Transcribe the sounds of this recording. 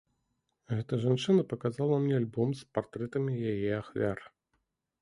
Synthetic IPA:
ɣɛt̪ɐʐant͡ʂɨnɐpɐkazalˠɐmnʲɛalʲbɔmspart̪ɾɛt̪ɐmʲijajɛaxvʲaɾ

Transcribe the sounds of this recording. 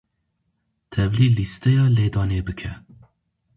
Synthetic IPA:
t̪ʰɛvliːlist̪ɛjɑːleːd̪ɑːneːbɨkʰɛ

